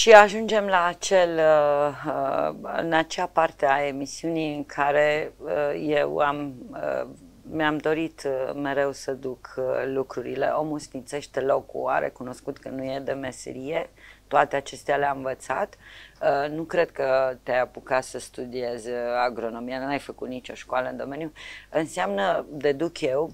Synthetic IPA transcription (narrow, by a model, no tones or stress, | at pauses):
ʃiaʒund͡ʒe̞mlaːt͡ʃe̞lə | ɨ̰nat͡ʃapart̪eae̞misiunijɨŋkʰaɾe̞əje̞wamə̰ | meamd̪o̞ɾit̪me̞ɾe̞wsəd̪ukʰlukɾuɾḭle̞̰ʔo̞musnit̪se̞ʃt̪elo̞kṵa̰ɾḛkuno̞skut̪kənuje̞d̪e̞me̞sḛɾije̞t̪oat̪eat͡ʃe̞st̪ealeamɱvət̪sa̰t̪ənukɾe̞d̪kət̪eajapukat̪səst̪ud̪ie̞zʲaɡɾo̞no̞mijanuajfəkut̪nit͡ʃo̞ʃkoaləɨnd̪o̞me̞njuɨnseamnəd̪e̞d̪ukje̞w